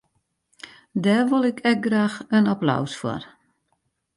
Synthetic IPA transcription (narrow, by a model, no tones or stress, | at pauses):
dɛːʋolˠɪkʰɛk̚ɡraːxənapla̰wsfwɔ̰r